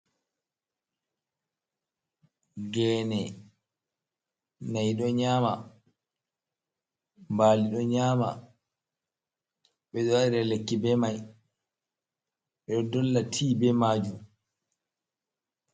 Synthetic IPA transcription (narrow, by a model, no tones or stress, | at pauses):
ɡɛːnɛ | najɗɔɲaːma̰ | mbaːliɗɔɲaːma̰ | ɓɛɗɔwaiɾɛlekːibɛmaj | ɓɛɗɔdɔlːatʰiːbɛmaːd͡ʒu